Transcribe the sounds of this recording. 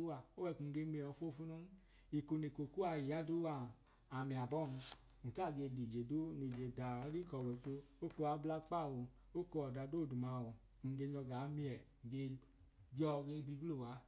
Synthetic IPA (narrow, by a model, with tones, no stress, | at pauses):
o˦wa˧˨o˦wɛ˧˨ku˨˧ŋ̩˧ɡe˧˦mi˧˨ɔ˨˧˨fo˦˨fu˦no˦n˦ | i˨ko˧ne˨ko˨ku˦a˧˨ji˨ja˦do˦wa˧˨ | a˨mi˨a˨bɔ˦˨m̩˧ | ŋ̩˨ka˦˨ɡe˧di˨d͡ʒe˨do˦ni˨d͡ʒe˨da˨˦ɾi˦kɔ˨wɛ˨˦to˧o˦ko˧a˨˦bla˦k͡pa˦˨wɔ˨ | o˦ko˧˦ɔ˨da˨do˦˨du˨ma˨wɔ˨˧ | ɡe˧ɲɔ˧ɡa˨˦mi˧ɛ˨ŋ̩˨ɡe˧ | bjɔ˧ɡe˧˦bi˧ɡlo˦˨wa˨˦